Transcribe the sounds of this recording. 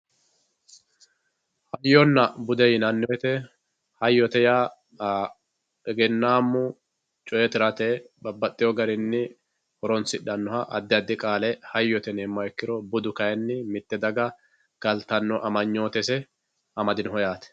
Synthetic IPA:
hɐjːɔnːɐbʊd̪ɛjɪnɐnːɔjɛt̪ɛ | hɐjːɔt̪ɛjaː | ɛɡɛnːaːmːʊ | t͡ʃʼɔjɛt̪ɪɾɐt̪ɛbɐbːɐt̪ʼːɪjɔɡɐɾɪnːɪ | hɔɾɔnsɪᶑɐnːɔhɐʔɐd̪ːɪɐd̪ːɪkʼaːlɛhɐjːɔt̪ɛneːmːɐɛkːɪɾɔbʊd̪ʊkɐjɛnːɪmɪt̪ːɛd̪ɐɡɐ | ɡ̥ɐlt̪ɐnːɔʔɐmɐɲːo̞ːt̪ɛsɛ | ʔɐmɐd̪ɪnhɔjaːt̪ɛ̥

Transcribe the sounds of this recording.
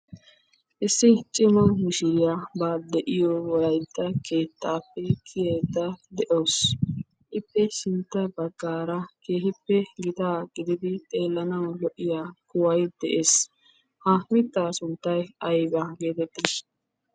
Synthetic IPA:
ʔɪsːɪt͡ʃʼɪmɐmɪʃɪɾɪjaːbaːd̪ɛʔɪjɔwɔlɐjt̪ːɐkʰe̞ːt̪ːaːpːɛkʰɪjeːd̪ːɐd̪ɛʔoːs | ʔɪpːɛʃɪnt̪ːɐbɐɡːaːɾɐkʰeːhɪpːɛɡɪt̪aːɡ̥ɪd̪ɪd̪ɪt̪ʼe̞ːlːɐnɐwlɔʔːɪjaːkʊwɐjd̪ɛʔeːs | hɐmɪt̪ːaːsʊnt̪ːɐjɐjbaɡe̞ːt̪ɛt̪ːis

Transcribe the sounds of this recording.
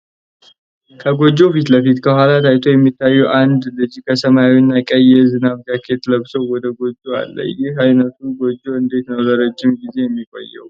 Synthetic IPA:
kʰəɡo̞d͡ʒːo̞fit̪ləfit̪kʰəhʷalat̪ʰajt̪ʰojɛmːit̪ʰːajːuʔand̪lɨd͡ʒikʰəsəmajawinːakʼəjɛzɨnaβd͡ʒakʰet̪ləβsəwwɔd̪əɡo̞d͡ʒʼːua̰lːə̰jɪhajnət̪ʰuɡo̞d͡ʒːoɨnd̪e̞t̪nəwzəɾəd͡ʒːɪmɡize̞jɛmːikʼo̰jːɛ̰w

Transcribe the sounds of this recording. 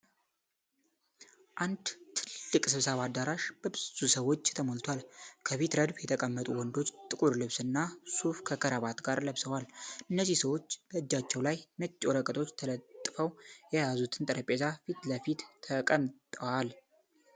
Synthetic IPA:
ʔand̪t̪ʰɨlːɨkʼsɨβsəβad̪aɾaʃb̥əbɨz̥usəwo̞t͡ʃːt̪ʰəmolt̪ʰwalkʰəfit̪ɾəd̪bjɛt̪ʰəkʼəmːət̪ʼuwɔnd̪o̞t͡ʃːt̪ʼɨkʼuɾlɨβsɨnːasufkʰəkʰəɾəβat̪ɡaɾləβsəwalɨnːəzːihsəwo̞t͡ʃːb̥əɨd͡ʒːat͡ʃːɛwlajmət͡ʃʼːoɾəkʼət̪ʰʼo̞t͡ʃːt̪ʰələt̪ʼːfəwjɛjazut̪ʰɨnt̪ʼɨɾəpʼezafit̪ləfit̪ʰːəkʼəmt̪ʼəwal

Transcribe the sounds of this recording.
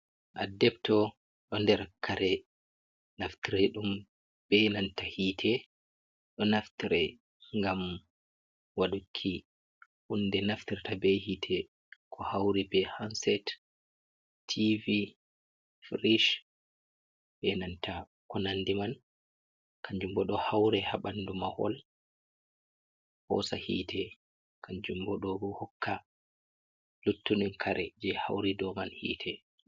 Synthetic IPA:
ʔadɛbtɔ | ɗɔndɛɾakʰːaɾɛ | naftiɾɛɗum | bɛnantahitʰɛ | ɗɔnaftiɾɛ | ŋɡam | waɗukʰːi | ʔundɛnaftiɾtabɛhitʰɛ | kʰɔhawɾibɛhansɛt | tʰivi | fɾiʃ | bɛnantʰa | kɔnandiman | kaɲd͡ʒumbɔɗɔhawɾɛhaɓandumahɔ̰l | hɔ̰sahḭːtʰɛ | kʰaɲd͡ʒumbɔɗɔbɔhɔkʰːa | lutːunɛnkʰaɾʔɛd͡ʒɛha̰wɾidɔmanhḭːtʰɛ

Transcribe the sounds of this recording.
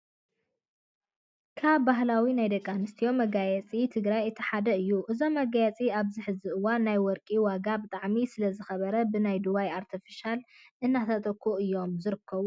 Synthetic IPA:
kʰaβːaɦlawinajd̪ɐkʼːanɨst̪ʰijo̞mɐɡajɛt͡sʼit̪ʰɨɡɾajɨt̪ʰːiħad̪ɐɨjːuʔɨzo̞mːɐɡajɛt͡sʼiaβzɨħɨzɨɨwanːajwɔɾkʼiwaɡabɨt̪ʼaʕmisɨlɐzɨxɐβɐɾɐbɨnajd̪uβajaɾt̪ʰifiʃal | ʔɨnːat̪ʰɐt̪ʼɐkʰːuɨjːo̞mzɨɾɨkʰːɐβu

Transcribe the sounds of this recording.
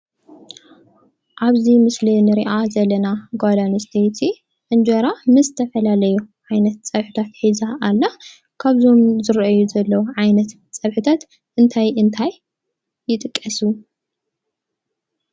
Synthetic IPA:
ʔaβzimɨslinɨɾiʔazɐlːɐnaɡad̪anst̪ʰet̪ʰi | ʔɨnd͡ʒɐɾamɨzɨt̪ʰɐfɐlalɐjuʕajnɐt̪̚t͡sʼɐβħɨt̪ʰat̪ħizaʔalːa | kʰaβzomzɨɾʔajuzɐlːɐwuʕajnɐt̪ | t͡sʼɐβħɨt̪ʰat̪ | ʔɨnt̪ʰajʔɨnt̪ʰajː | ɪt̪ʼɨkʼːɐsu

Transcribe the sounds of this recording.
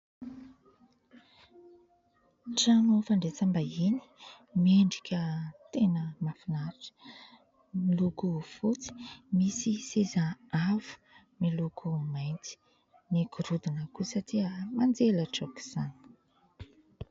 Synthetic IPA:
ʈ͡ʂanufaɳɖ͡ʐet͡sambaini̥ | meɳɖ͡ʐikʲət̪enəmafinaɾiʈ͡ʂə̥ | milukufut͡si̥misisezaavu̥ | milukumajnt͡si̥ | nikuɾud̪inəkusatiəmand͡zeləʈ͡ʂoki̥z̥ani̥

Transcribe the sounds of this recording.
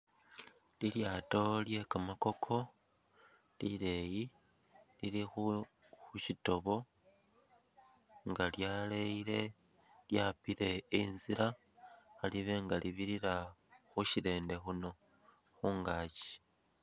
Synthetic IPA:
liljaːto̞lje̞kamako̞kʰo̞ | lile̞ji | lilixu | xuʃito̞βo̞ | ŋɡaljaleiɾe̞ | ljapiɾe̞inziɾa | aliβe̞ŋɡaliβiɾiɾaxuʃiɾe̞ːnde̞xuno̞ | xuːŋɡaːci̥

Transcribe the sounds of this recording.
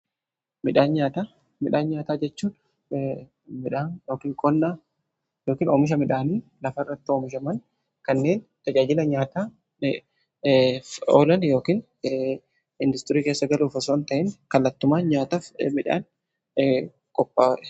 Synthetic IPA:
mɪᶑaːnɲaːt̪aː | mɪᶑaːnɲaːt̪aːd͡ʒɛt͡ʃːuːn | mɪᶑaːnjo̞ːkiːŋkʼɔnːaː | jo̞ːkiːnoːmɪʃ̬ɐmɪᶑaːniːlɐfɐɪrːɐt̪ːɪoːmɪʃɐmɐn | kɐnːe̞ːnt̪ɐd͡ʒaːd͡ʒɪlɐɲaːt̪aː | oːlɐnjo̞ːkiːn | ɪnd̪ʊst̪ɪɾiːkeːsːɐɡɐluːfɐsoːnt̪ɐʔɪnkɐlːɐt̪ːʊmaːnɲaːt̪ɐmɪᶑa̰ːn | kʼɔpːaːɛ

